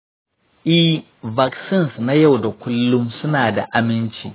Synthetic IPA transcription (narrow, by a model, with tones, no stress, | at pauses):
ʔi˦h | va˨ksɪ˦˨nsna˦ja˦˨wda˨kʷʊ˦lːʊ˦msʊ˦naː˨da̰˨ʔa˨mɪ˦nt͡ʃḭː˨